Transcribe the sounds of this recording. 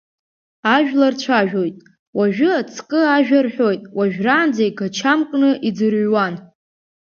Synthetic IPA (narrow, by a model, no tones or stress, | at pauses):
aʒᶣlart͡ɕʷʰaʒᶣo̞jtʼ | waʒᶣʊat͡sʰkʼɨaʒᶣarħo̞jtʼwaʒᶣraːnd͡zajɡat͡ʃʰamkʼnɨʔid͡zɨrɥwan